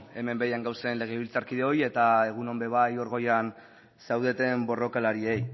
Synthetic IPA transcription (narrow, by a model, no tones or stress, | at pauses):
e̞me̞mbe̞jaŋɡawse̞nle̞ɣ̞eβilt͡saɾkið̞e̞o̞je̞t̪ae̞ɣ̞uno̞mbe̞β̞ajo̞ɾɣo̞jan | sawðe̞t̪e̞mbo̞ro̞kalaɾie̞j